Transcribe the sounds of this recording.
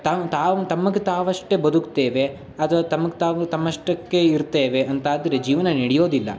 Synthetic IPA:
t̪ɐt̪aːʋut̪ɐmːɐɡet̪aːʋɐʂʈebɐd̪ukt̪eːʋe̞ | ɐd̪ɐt̪ɐmːɐɡet̪aːʋut̪ɐmːɐʂʈɐkːeiɾt̪eːʋeɐnt̪aːd̪ɐɾed͡ʒiːʋɐnɐniɽijo̞ːd̪ilːɐ̰

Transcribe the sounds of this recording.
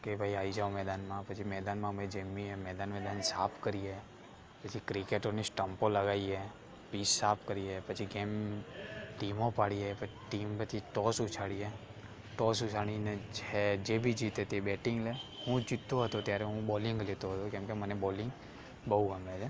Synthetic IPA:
kebʱaiaʋid͡ʒaomɛd̪anmãpət͡ʃʰimɛd̪anmãmed͡ʒəmːiemɛd̪anmɛd̪ansapʰkəɾie | pət͡ʃʰikɾikeʈonisʈəmpoləɡaie | pisːapʰkəɾiepət͡ʃʰiɡem | ʈimõpaɽiepəʈimpət͡ʃʰiʈɔsʊt͡ʃʰaɽie | ʈɔsʊt͡ʃʰaɽ̃ined͡ʒed͡ʒebʱid͡ʒit̪et̪ebɛʈɪ̃ŋɡleɦũd͡ʒit̪ːoɦət̪ot̪jaɾɛɦũbɔlɪŋɡlet̪oɦət̪okɛ̃mkemənebɔlɪ̃ŋɡ | bəɦuɡəmled͡ʒe

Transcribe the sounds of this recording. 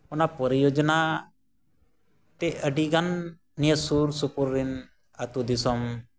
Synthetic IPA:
ɔnapɔɾijod͡ʒɔna | t̪ɛʔəɖiɡanː | ijəsuɾsupuɾːin | at̪ud̪isɔm

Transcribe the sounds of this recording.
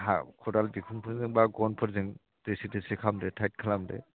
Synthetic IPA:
ɦa̰kʰɔdalbikʰunpʰɔɾziŋbaɡɔnpʰɔɾzɯŋ | d̥esitesikʰamdɛtʰajt̚kʰalamdɛ̰

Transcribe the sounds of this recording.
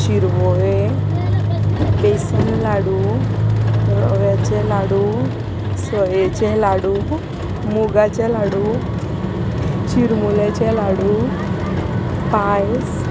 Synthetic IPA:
t͡ɕiɾʋɔʋe | besinlaɽuː | ɾɔʋjat͡ɕelaɽu | səjet͡ɕelaɽu | muɡat͡ɕelaɽu | t͡ɕiɾmulet͡ɕelaɽu | pajs

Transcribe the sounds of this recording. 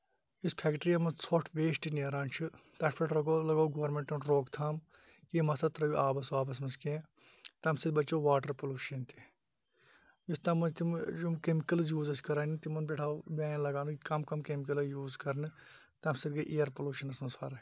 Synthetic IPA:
ispʰɛːkʈɾijɐmɐt͡sʰoʈʰʋeːʃʈineːɾaːnt͡ʃʰɨt̪ɐʈʰpʰɐʈʰɾɐɡoːlɐɡaːɡoːɾmẽɳʈɐnɾoːkt̪ʰaːm | kimɐsɐt̪ɾɐjuʔaːbɐsoaːbɐs̬mɐnskẽː | t̪ɐmsid̪bɐt͡ʃːoːʋaːʈɐɾpoluːʃɐnt̪ʰi̥ | ist̪ɐmɐnt̪id͡ʒumkemikɐlɐjuːzɐskɐɾaːnit̪imɐnbeʈʰaːbʲaːj̃lɐɡaːnukikɐmkɐmkemikɐlɐjuːzkɐɾnɨ | t̪ɐmsid̪ɡɐʔejɐɾpoluːʃɐnɐsmɐsfɐːɾɐ

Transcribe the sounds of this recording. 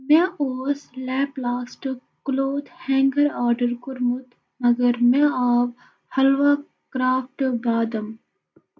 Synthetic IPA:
mẽoːslɛːplaːsʈ | kloːd̪hɛ̃ːŋɡəɾaːɾɖəɾkʊɾmʊt̪ | mɐɡəɾmẽaːʋ | hɐlʋa | kɾaːfʈbaːd̪ɐm

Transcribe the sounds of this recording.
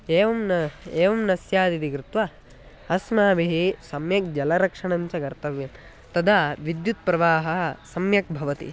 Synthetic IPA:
eːʋɐmnɐeːʋɐmnɐsjaːd̪id̪ikɾɪt̪ʋa | ɐsmaːbiɦisɐmjɐk̚d͡ʒɐlɐɾɐkʂɐɳɐɲt͡ʃɐkɐɾt̪ɐʋjɐm | t̪ɐd̪ʱaːʋid̪jut̪̚pɾɐʋaːɦɐsɐmjɐk̚bʱɐʋɐt̪ḭ

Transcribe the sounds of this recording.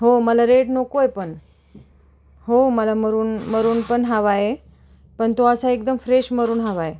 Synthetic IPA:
ɦoməlaɾeʈnokojpəɳ | ɦoməlaməɾuːnməɾuːnpəɳɦaʋaje | pəɳt̪oəsaek̚d̪əmfɾeɕməɾuːnɦaʋaje

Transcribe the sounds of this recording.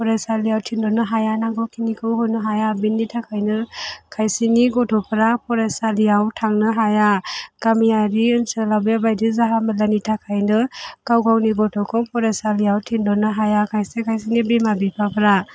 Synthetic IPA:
pʰɔɾasalijawtʰindɔnɯɦajanaŋɡɔkʰinikʰɯwɦɔnɯɦajabinːitʰakʰajnɯkʰajsiniɡɔtʰɔpʰɾapʰɔɾasalijawtʰaŋnɯɦajakamijaɾiɯnsɯlabjabajdizaɦamɯlanitʰakʰajnɯkawkʰawniɡɔtʰɔkʰɔpʰɔɾasalijawtʰindɔnɯɦajakʰajsekʰajsinibimabipʰapʰɾa

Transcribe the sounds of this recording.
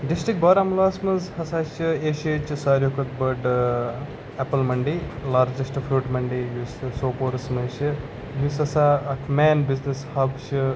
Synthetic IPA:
ɖisʈɾik̚bɐːɾɐmlaːsmɐzhɐsaːʃieːʃet͡ʃsaːɾjokɐt̪bɐɖ | ɛpɐlmɐɳɖiːlaːɾd͡ʒɐsʈfɾuːʈmɐɳɖijussoːpoːɾsmɐʃi | jusɐsaɐkʰmɛːnbiznishɐbʃɨ

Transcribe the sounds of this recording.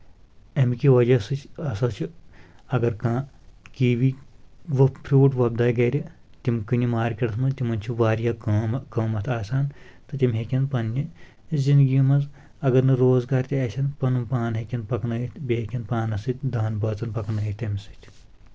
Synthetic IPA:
ɐmkʲiʋɐd͡ʒɐsɨt͡ʃʰɐsɐt͡ʃʰiɐɡɐɾkãː | kiːʋiʋɐpʰɾʲuːʈʋɐb̚d̪aːjɡɐːɾʲi | t̪imkɨnʲimaːɾʲkʲɐɽt̪ʰmɐt̪ʲimɐnt͡ʃʰiʋaːɾjaːɐːmkɐːmɐt̪ʰaːsaːnt̪ɨt̪ʲimɦekʲɐnpɐnːi | zind̪ɡimɐnz | ɐɡɐɾnɐɾoːzɡaːɾt̪ʲiɐsʲʰɐnpɐnumpaːnɦekʲɐnpɐknɐɦit̪bʲeekʲɐnpaːnɐsɨt̪ʲd̪aːnbɐːt͡sɐnpɐknɐɦit̪ɐmsɨt̪ʰʲ

